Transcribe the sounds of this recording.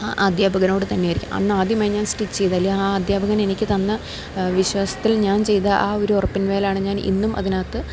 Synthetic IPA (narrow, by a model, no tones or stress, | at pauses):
aʔaːd̪jaːbʱɐɣɐno̞ːɽɨt̪ɐnːejaːiɾikʲːṵmɐ̰nːɨaːd̪jɐmaːjɲaːnsʈit͡ɕːt͡ɕe̞jt̪aːlːijɐaːɐːd̪jaːbʱɐɣɐne̞nikʲːɨt̪ɐnːɐ | ʋiɕwaːsɐ̥t̪ːilɲaːnt͡ɕe̞jt̪ɐʔaːo̞ɾuorɐpːinʋeːlaːɳɨɲaːnḭnːumʔɐ̰ðinaːt̪ːɨ